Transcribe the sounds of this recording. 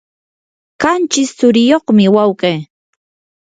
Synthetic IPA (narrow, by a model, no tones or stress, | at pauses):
kant͡ʃɪsːʊɾɪjoχmɪwawkej